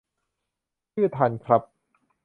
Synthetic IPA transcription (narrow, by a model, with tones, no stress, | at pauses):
ɯ˥˩t̪ʰa˧nkʰɾa˦˥p̚